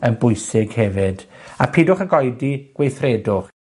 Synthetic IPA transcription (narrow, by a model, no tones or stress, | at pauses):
ənbʊjsɪɡhɛvɪdapʰiːdʊχənɡɔjdiɡ̥wejθredʊχ